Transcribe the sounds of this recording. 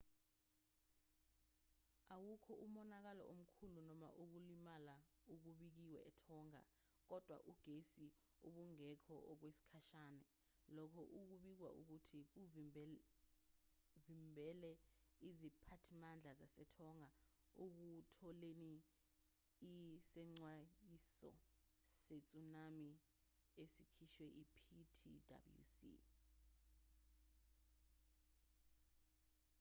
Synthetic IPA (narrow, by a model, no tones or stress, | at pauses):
awukʰɔʔumɔnak̬alɔ̰ʔom̩kʰulunɔma̰ʔuk̬ulimalauk̬uɓik̬iwɛ̰ʔɛtʰɔŋa̰ | k̬ɔd̥ʱwa̰ʔuɡ̥ʱesi | oɓuŋɛkʰɔʔɔk̬wesi̥kʰaʃaːnɛ | lɔkʰɔʔuk̬uɓik̬wa̰ʔuk̬utʰik̬uv | vimbʱɛlɛizipʰatʰimand͡ɮʱazasɛtʰɔŋa | uk̬utʰɔleni | sɛŋ͡ǀwaisɔ̰ | set͡sʼunami | esikʰiʃwɛʔipʰitʰḭda̰bljṵsḭ